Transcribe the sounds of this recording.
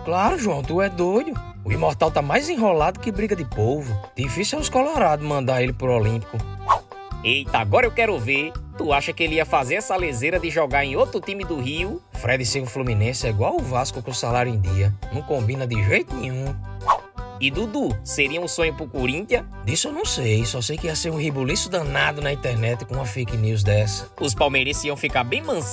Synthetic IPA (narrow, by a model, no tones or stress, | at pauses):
klaɾʊʒuɐ̃w̃t̪uɛd̪ojd̪ʊ | ʊimɔɾt̪awt̪amajzẽɦɔlad̪ʊkɪbɾiɡɐd̪ɪpovʊd̪̥ifisiwɛwɪskɔlɔɾad̪ʊmɐ̃d̪aɾelɪpɾʊolĩpi̥kʊ | ejt̪aaɡɔɾɐewkɛɾʊveɾt̪uaʃɐkɪelɪiɐfazeɾɛsɐlezeɾɐd̪ɪʒɔɡaɾẽj̃ot̪ɾʊt̪ĩmɪd̪ʊhiʊfɾɛd̪ɪsẽʊ̃flumĩnẽsɪɛiɡwawʊvaskʊkõsalaɾjʊẽd̪iɐnɐ̃w̃kõmbĩnɐd̪ɪʒejt̪ʊnĩɲũ | ɪd̪ud̪useɾiɐũsõɲʊpʊkoɾĩnt̪jɐ̃ | d̪isʊewnɐ̃w̃sejsɔsejkɪiɐseɾũhibulisʊd̪ɐ̃nad̪ʊnɐĩt̪ɛɾnɛt̪ɪ̥kõũɐfejkniwz̬d̪ɛsɐ̥ʊs̬pawmeɾisiɐ̃w̃fikaɾbẽj̃mɐ̃s